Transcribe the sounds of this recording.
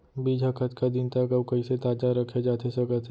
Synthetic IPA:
biːd͡ʒʱakʰət̪kad̪ɪnt̪əkəbkɐiset̪aːd͡ʒaɾəkʰed͡ʒaːt̪esɐkət̪ʰ

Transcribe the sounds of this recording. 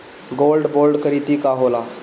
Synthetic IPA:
ɡolɖbolɖkəɾit̪iːkaɦola

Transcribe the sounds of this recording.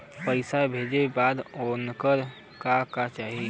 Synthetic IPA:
pəɪsabʱeːd͡ʒebaːd̪oːnkəɾ | kakat͡ʃaːɦie

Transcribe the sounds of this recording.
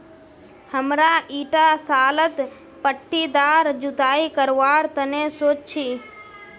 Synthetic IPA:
həmɾaʔiːʈasaːlət̪ | pəʈʰːid̪aːɾd͡ʒʊt̪aːikəɾʋaːɾt̪ənesoːt͡ʃt͡ʃʰiː

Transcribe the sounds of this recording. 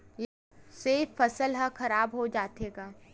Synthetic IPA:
j | seːfːɐsəlɦakɐɾaːbɦod͡ʒaːt̪eːɡaː

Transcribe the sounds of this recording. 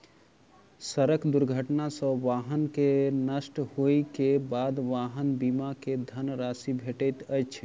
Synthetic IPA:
səɾəkd̪uɾɡʱəʈnasəbʋaɦənkenəsʈhojkebad̪ʋaɦənbimaked̪ʱənɾasibʱeʈəjt̪ət͡ʃʰ

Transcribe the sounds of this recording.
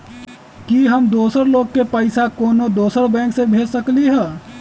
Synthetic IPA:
kiɦɐmd̪oːsəɾloːɡ̚kepəɪsakoːnod̪oːsəɾbɛ̃ːŋksebʱeːd͡ʒsəkliɦɛː

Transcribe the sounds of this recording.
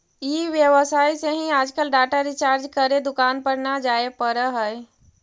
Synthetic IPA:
iʋjəwəsaːiseɦĩaːd͡ʒkəlɖaːʈaɾɪt͡ʃaːɾd͡ʒkəɾed̪ʊkaːnpəɾnad͡ʒaːepəɾəɦəj

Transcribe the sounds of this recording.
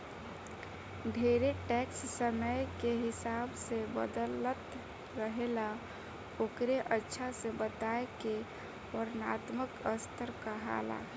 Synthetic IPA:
ɖʱeɾeʈɛkssəməjkeɦɪsabsebə̰d̪ələt̪ | ɾəɦela | oːkɾeʔətːʃʰasebət̪aeke | ɔɾnaːt̪məkəst̪ʰəɾkaɦa̰la̰

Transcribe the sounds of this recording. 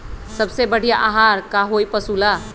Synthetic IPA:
səbsebəɽ̤ijaʔaɦaːɾkaɦoipəsuːla

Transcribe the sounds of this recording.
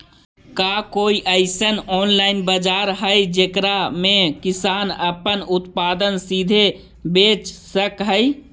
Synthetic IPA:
kakoːiʔəɪsənɔːnlaːɪnbəd͡ʒaːɾɦəjd͡ʒeːkɾamẽkɪsaːnəpənʊt̪paːd̪ənsid̪ʱe | beːt͡ʃsəkɦəi

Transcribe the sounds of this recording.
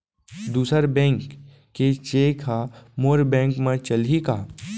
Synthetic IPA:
d̪uːsəɾbɛ̃ːŋkː | et͡ʃeːkʰamoːɾbɛ̃ːŋkmẽt͡ʃəlikaː

